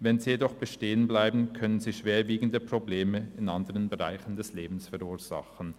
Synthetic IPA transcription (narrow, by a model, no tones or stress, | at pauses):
vɛnziːjedɔχb̥əʃteːənblaɪbn̩kʰœnənziːʃv̥eːɐviːɡn̩dəpʁ̥obleːməɪnʔandəʁənbəʁa̰ɪçn̩dɛsleːbm̩sfɛɐuːɐz̥a̰χən̩